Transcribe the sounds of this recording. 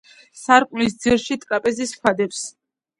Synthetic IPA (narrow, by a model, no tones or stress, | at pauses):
saɾkʼlis̬d̪ziɾʃit̪ʼkʼapʼɛziskʰad̪ɛps